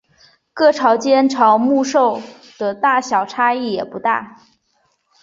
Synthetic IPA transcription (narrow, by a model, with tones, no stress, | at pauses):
kɤ˥˩ʈ͡ʂʰɑ˧˥ʊt͡ɕjɛ˥nʈ͡ʂʰɑ˧˥ʊmu˥˧ʂo˥˩ʊ | d̪̥ə˨˩t̪a˥˩ɕjɑ˨˩ʊʈ͡ʂʰa˥i˥˩jɛ˨˩pu˧˥t̪a̰˥˩